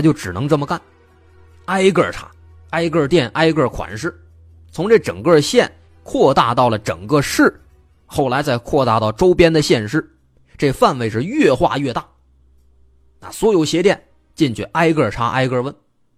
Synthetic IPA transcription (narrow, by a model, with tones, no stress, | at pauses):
t͡ɕjo˥˩ʊʈ͡ʂɻ̩˨˩nɤ˧˥ŋʈ͡ʂə˥˩mə˩ka˥˩n | a˥ɪkə˞˥˩ʈ͡ʂʰa̰˥ | a˥ɪkə˥˧t̪jɛ˥˩nʔa˥ɪkə˥˩kʰwa̰˨˩nʂɻ̩˥˩ | t͡sʰʊ˧˥ŋʈ͡ʂe˥˩ʈ͡ʂɤ̰˨˩ŋkə˥˧ɕjɛ˥˧˩n | kʰwɔ˥˧t̪a˥˧t̪ɑ˥˩ʊlə˩ʈ͡ʂɤ̰˨˩ŋkə˥˧ʂɻ̩˥˩ | xo˥˩ʊla˧˥ɪt͡sa˥˧ɪkʰwɔ˥˧t̪a̰˥˧t̪ɑ˥˩ʊʈ͡ʂo˥ʊpjɛ˥nd̪ə˨ɕjɛ˥˧nʂɻ̩˥˩ | ʈ͡ʂɤ˥˩ɡə˧fa˥˧nwe˥˧ɪʂɻ̩˥˧ɥɛ˥˧xwa̰˥˧ɥɛ˥˧t̪a˥˩ | na̰˥˩swɔ˧˥jo˧˩ʊɕjɛ˧˥t̪jɛ˥˩n | t͡ɕi˥˩nt͡ɕɥɛ̰˥˧˩ʔa˥ɪkə˞˥˩ʈ͡ʂʰa˥ʔa̰˥ɪkə˥˧wə˥n